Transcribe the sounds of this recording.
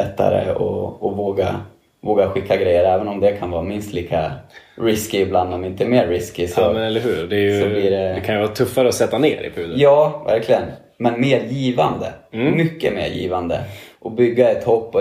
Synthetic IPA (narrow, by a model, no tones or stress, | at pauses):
ɛt̪ːa̰ɾə̰ɔ̰ɔvoːɡa | voːɡaɧɪkʰːaɡɾɛjːəɾɛːvənɔmd̪ɛkʰanvɑːmɪnst̪ʰliːkʰaɾɪskɪːbland̪ɔmɪnt̪əɛmeːɾːɪskɪsɔmɛnɛlːəɾɦʉːɾd̪ɛjsɔliːɖɛɛkʰanjəvɑːt̪ʰɵfːaɾəɔsɛt̪ːaneːɾɪ̰pʰʉːd̪jɑːvæ̰ɾklɪɡən | mɛnmeːɾjiːvand̪əmʏkːə̰mḛːɾjḭːvand̪ə̰ʔɔbʏɡːaɛt̪hɔk̚pʰɔ